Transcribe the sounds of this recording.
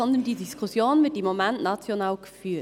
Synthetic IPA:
ɔnd̪əndiːdiskʰusjoːnvɪɐtɪmːomɛntnɑt͡sjonaːlɡ̥ə̥fyː

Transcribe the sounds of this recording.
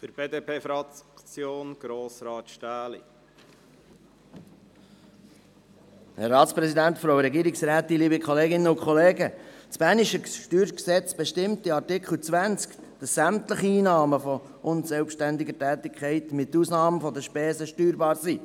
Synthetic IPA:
fəɾb̥eːd̪eːpeːfɾɑkt͡sjoːnɡ̥ɾoːsɾɑːt̪ʃtæːlḭ | hɛ̰ɾːɑːt̪t͡spɾɛsidæntfɾoʊɾɛɡiːɾɪksɾæːt̪iliːbikχɔleːɡɪnːəʊkχɔleːɡət͡sb̥æːniʃəʃtyːɾksɛt͡sb̥eʃtɪmtiɑɾtɪkχl̩ˠt͡sʋænt͡sk | d̥əsːæmtləχiiːnɑːməfɔ | ʔʊnsɛlpʃtændɪɡətæːtɪkʰχɛɪtmɪtuːsnɑːməfɔd̪əʃpɛːsəʃtyːɾbɑːɾsiː

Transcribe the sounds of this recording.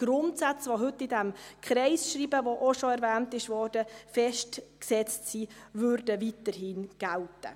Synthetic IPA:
ɡ̥ɾʊntsat͡sʋoɦɵtːɪdɛmkχɾɛɪsʃɾiːbəvoʔoʃɔɛɾvæːntɪʃʋɔːɾd̥əfɛʃtksɛt͡stsiːvøɾdəvitəɾhinɡ̥æltə̰

